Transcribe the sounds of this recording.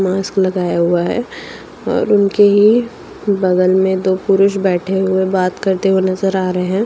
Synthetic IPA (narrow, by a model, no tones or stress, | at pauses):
maːsklɐɡaːjaɦʊaɦɛ̰ː | ɔ̰ːɾʊnkeɦi | bɐɡəlmẽd̪oːpʊɾʊʃbɛːʈʰeɦʊebaːt̪kɐɾt̪eɦenɐzəɾaːɾɐɦeɦɛ̃ː